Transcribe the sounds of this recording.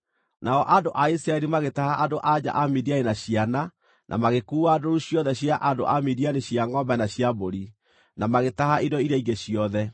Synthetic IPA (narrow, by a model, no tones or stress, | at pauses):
naɔʔadoʔaisɾaɛɾimaɣetahaʔadoʔad͡ʑa̰ʔamidianenaɕiana | nʔa̰maɣekuːadoɾuɕjɔðɛɕjaʔado̰ʔamidianeɕjaŋɡɔbɛnaɕjaboɾi | namaɣetahaidɔiɾaiɣeɕiɔðɛ